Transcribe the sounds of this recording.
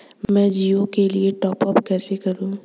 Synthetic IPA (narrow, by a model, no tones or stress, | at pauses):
mɛ̃ːd͡ʒiːõkelieʈɔːpɔpkɛːsekɐɾũː